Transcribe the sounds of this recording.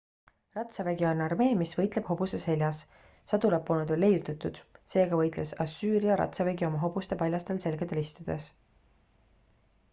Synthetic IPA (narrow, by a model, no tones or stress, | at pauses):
rɑt̪sɑveɡiɑonɑrme̞ːmisvɤjt̪ˑle̞b̥ho̞b̥usese̞lʲjɑs | sɑd̪ulɑpːˑoːned̪̥o̞lːe̞jut̪ːˑɑt̪ːˑud̪̥se̞ːɡɑvɤ̞jt̪ˑlesɑsːyːɾiɑɾɑ̰t̪sɑveɡio̞mɑɦo̞b̥ust̪e̞pɑlʲjɑst̪else̞lɡ̥ed̪̥e̞list̪ud̪̥e̞s